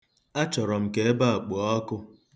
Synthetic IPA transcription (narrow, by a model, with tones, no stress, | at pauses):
a˦t͡ʃɔ˨ɾɔ˨m̩˨ke˨e˦ba˦a˨k͡po˨ɔ˦kʊ˦